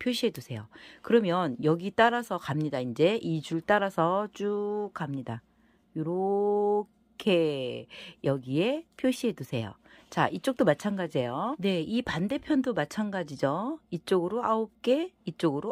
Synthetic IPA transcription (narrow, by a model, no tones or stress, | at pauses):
pʰjoɕʰiɦe̞dusʰe̞jokɯɾʌmjʌnjʌɡit͈aɾasʰʌkamɲidaind͡ʑe̞ʔid͡ʑuɭt͈aɾasʰʌt͡ɕ͈ukamɲida | joɾo | kʰe̞ | jʌɡie̞pʰjoɕʰiɦe̞dusʰe̞jo̰ | t͡ɕa̰ʔit͡ɕ͈ok̚t͈omat͡ɕʰanɡad͡ʑejone̞ipande̞pʰjʌndomat͡ɕʰanɡad͡ʑid͡ʑoit͡ɕ͈oɡɯɾoaop̚k͈e̞it͡ɕ͈oɡɯɾo